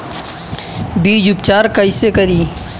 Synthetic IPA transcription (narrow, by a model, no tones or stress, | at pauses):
biːd͡ʒʊp̚t͡ʃaːɾkəisekəɾiː